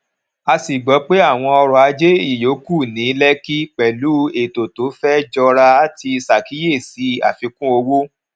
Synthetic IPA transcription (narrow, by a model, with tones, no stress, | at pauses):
a˧si˨ɡ͡bɔ˨˦k͡pe˦a˦˨w̃ɔ̃˧ɔ˧ɾɔ˨a˨˧d͡ʒe˦i˦˨jo˨˦ku˦˨nĩ˨˦lɛ˦ki˦k͡pɛ˨lu˨˦e˨to˨to˨˦fɛ˦d͡ʒɔ˧ɾa˧a˦ti˧sa˨ki˨˦je˦˨si˨˦a̰˨fĩ˧˦kũ˦o˧wo˦